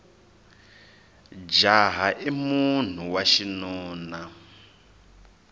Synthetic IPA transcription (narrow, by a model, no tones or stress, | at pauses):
d͡ʒaɦaʔimun̤uwaʃinɔːna